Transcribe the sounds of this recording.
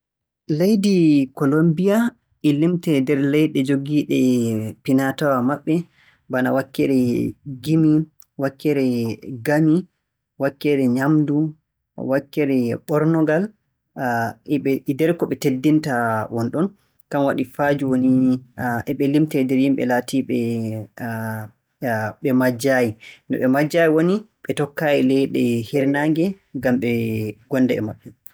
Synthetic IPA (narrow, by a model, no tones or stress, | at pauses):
lejdikɔlombija | ɛlimtɛdɛɾlɛjɗɛd͡ʒoɡiːɗɛpinatawamaɓːɛ | bana̰wakːɛɾɛɡimi | wakːɛɾɛɡami | wakːɛɾɛɲamdu | wakːɛɾɛɓɔɾnɔɡal | ɓɛdɛɾkɔɓɛtedːintawɔnɗɔn | kanwaɗifaːd͡ʒuwoniʔɛɓɛlimtɛdɛɾjimɓɛ̰laːtiɓɛ | ɓɛmad͡ʒajindɔɓɛmad͡ʒːajiwoni | ɓɛtɔkːaːjilɛjɗɛhɛɾnaŋɡɛ | ɡamɓɛɡ̥ɔnːdɛɛ̰maɗːum